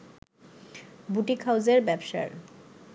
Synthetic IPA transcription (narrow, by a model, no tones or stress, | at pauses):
buʈikʰawd͡ʑeɾbɛbʃa̰ɾ